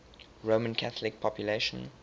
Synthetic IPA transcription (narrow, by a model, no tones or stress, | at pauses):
ɹoʊmə̃nkʰaθəlɪk̚pʰɔpʰjuleɪʃə̰̃n